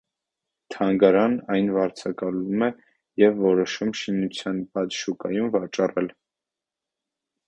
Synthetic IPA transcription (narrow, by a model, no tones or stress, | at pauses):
t̪ʰɑŋɡɑɾɑnɑjnvɑɾt͡sʰɑkɑlumɛ | jɛvːɔɾɔʃumʃinut͡sʰjɑnbɑt̪ʃukɑjumvɑt͡ʃɑrɛl